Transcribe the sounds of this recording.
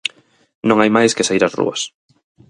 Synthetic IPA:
nõŋajmajskesaiɾasrṵɐ̰s

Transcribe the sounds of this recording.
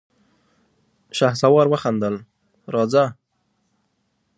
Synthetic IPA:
ʃahsawɑɾwəxand̪əl | ɾɑd͡za

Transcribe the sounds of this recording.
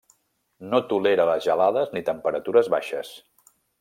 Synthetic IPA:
not̪uleɾələzʒəlaðəznit̪əmpəɾət̪uɾəzβa̰ʃəs

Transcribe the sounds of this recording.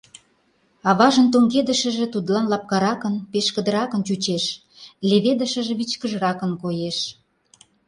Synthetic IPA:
ɑβɑʒənt̪oŋɡed̪ə̆ʃə̆ʒĕt̪ud̪lɑnlɑp̚kɑɾɑkənpeʃkə̆d̪əɾɑkənt͡ɕut͡ɕeʃ | lʲeβed̪əʃə̆ʒĕβit͡ɕkəʒɾɑkənkojeʃ

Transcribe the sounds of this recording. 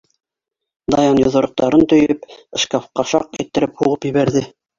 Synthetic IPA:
d̪ɑjɑnjŏðŏɾŏq̚t̪ɑɾɤnt̪ɵ̆jɘpɘ̆ʃkɑfqɑʃɑqæ̰jt̪ːɘ̆ɾɘphuʁɤpjɘ̆βæɾðɘ

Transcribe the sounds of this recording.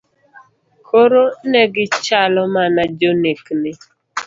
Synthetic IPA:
koɾoneɡɪt͡ʃalɔmanad͡ʒoneknɪ

